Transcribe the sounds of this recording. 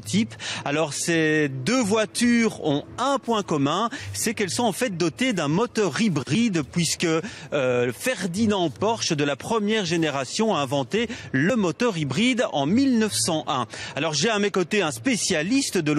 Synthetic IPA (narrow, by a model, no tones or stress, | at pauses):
t̪ipalɔʁsed̪øvwat̪yʁɔ̃ɛ̃pwɛ̃kɔmɛ̃sɛkɛlsɔ̃ɑ̃fɛt̪̚d̪ɔt̪ed̪ɛ̃mɔt̪œʁibʁid̪pɥiskə | fɛʁd̪inɑ̃pɔʁʃd̪əlapχəmjɛʁʒeneʁasjɔ̃aɛ̃vɑ̃t̪eləmɔt̪œʁibʁid̪ɑ̰̃milnəfsɑ̃ʔɛ̃alɔʁʒeamekɔt̪eɛ̃spesjalist̪əd̪əl